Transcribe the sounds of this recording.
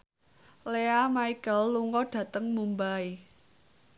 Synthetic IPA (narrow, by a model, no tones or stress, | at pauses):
leamaikəlːuŋɔɖ̥ä̤t̪əŋmumbai